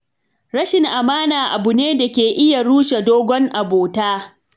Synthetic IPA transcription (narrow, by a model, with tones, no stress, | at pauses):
ɾɐ˦ʃɪ˨ŋʔa˨maː˦naː˨ʔa˨bʊ˨neː˦da˨kʲeː˨ʔɪ˦ja˨ɽuː˦ʃe˨doː˦ɡʷɔ˦ŋʔa˨boː˨taː˦